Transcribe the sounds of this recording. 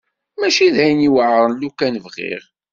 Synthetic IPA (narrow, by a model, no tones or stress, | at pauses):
mæʃiðhæjniwəʕɾˤənlukænvʁḭʁ